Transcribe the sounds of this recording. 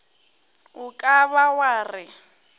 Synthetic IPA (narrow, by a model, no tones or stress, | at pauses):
ʊkʼaβawaːrɪ